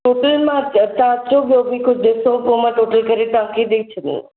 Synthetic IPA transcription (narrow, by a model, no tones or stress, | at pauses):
ʈoʈəlmãtãt̪obobʱikʰʊd͡ʒd̪esõpomãʈoʈəlkəɾiʈãkid̪eit͡ʃʰenḭ